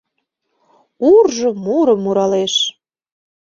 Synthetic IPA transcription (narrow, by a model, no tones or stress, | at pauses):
urʒəmuɾəmːuɾɑleʃ